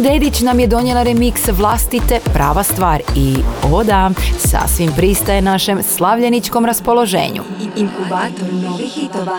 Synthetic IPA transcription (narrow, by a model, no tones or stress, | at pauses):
d̪ed̪it͡ɕnamjed̪o̞njelˠaɾemiksʋlˠast̪it̪e̞pɾa̰ːʋast̪ʋaːɾiod̪asa̰sʋimpɾist̪ajenaʃe̞mslˠaʋʎenit͡ʃko̞mɾaspo̞lˠo̞ʒḛːɲṵ